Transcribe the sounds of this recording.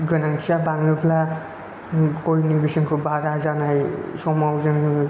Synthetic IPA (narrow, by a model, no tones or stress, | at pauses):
ɡɯnaŋkʰiabaŋɯpʰla | kojnibisɯŋkʰɯbaɾazanajsɔmawzɯŋ